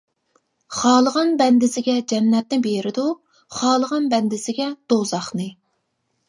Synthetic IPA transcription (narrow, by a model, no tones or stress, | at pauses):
χɑːlˠəʁɑnbɛnd̪ɪsɪɡʲɛd͡ʒɛnːɛt̪̚nɪbeɾɪd̪u | χɑːlˠəʁɑnbɛnd̪ɪsɪɡʲɛd̪̥ozɑχnɨ